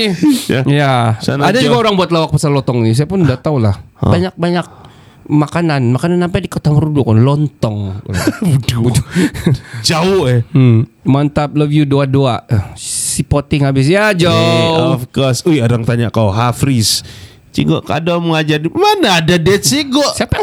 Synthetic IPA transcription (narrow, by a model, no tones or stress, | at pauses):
jajasanadad͡ʒuɡaoɾaŋbuat̪̬lawak̚pasalɔnt̪ɔŋnis̬ajapʊnudat̪aulah | baɲak̚baɲak̚ | makananmakanansampajdikot̪aməɾudʊknlɔnt̪ɔŋ̰uduudu | d͡ʒaʊ | mant̪ap̚ləvjudoadoa | sipot̪ɪŋabɪs̬jad͡ʒaɔfkɔsujaɾaŋt̪aɲakaoɦafɾis | t͡ʃḭŋɡɔʔka̰daməŋad͡ʒarmanaːdadɛt̪siɡɔʔsiapa